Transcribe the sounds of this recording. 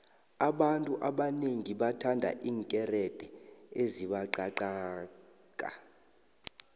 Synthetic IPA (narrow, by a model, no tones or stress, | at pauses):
aɓantʼuʔaɓaneŋiɓatʰandʱa̰ʔiːŋkʼɛrɛd̥ʱɛeziɓaǃaǃaː | kʼa̰